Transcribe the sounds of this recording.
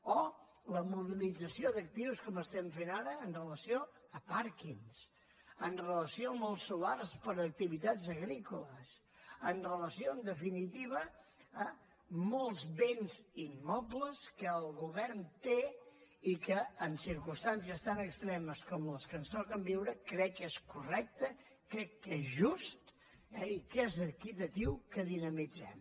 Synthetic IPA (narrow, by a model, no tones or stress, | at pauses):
ɔ | ləmuβ̞ilid͡zəsiod̪ək̚t̪iwskɔməst̪ɛmfenaɾəːnrələsioəpaɾkins | ənrələsioəmɔlˠsːularspəɾək̚t̪iβit̪azəɣɾikuləs | ənrələsiond̪əfinit̪iβəː | mɔlˠzβenzimːɔpləskəːlˠɣuβɛɾnt̪eikəːnsiɾkust̪ans̬iəst̪anəkst̪ɾɛməskɔmləskənst̪ɔkəmbiwɾəkɾɛkːeskurɛk̚t̪ə | kɾɛkːezʒust̪ | ɛikezəɾkit̪ət̪iwkəðinəmid͡zɛ̰m